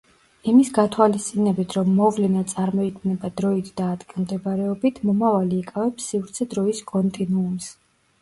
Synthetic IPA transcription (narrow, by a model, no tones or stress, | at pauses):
imisɡat̪ʰwalist̪ʼinɛbit̪ʰɾɔmːɔvlɛnat̪sʼaɾmɔik̪ʼnɛbad̪ɾɔit̪ʰd̪aːd̪ɡilˠmd̪ɛbɾɛɔbit̪ʰmɔmavaliːkʼavɛpsːivɾt̪sʰɛd̪ɾɔiskʼɔnt̪ʼinuːms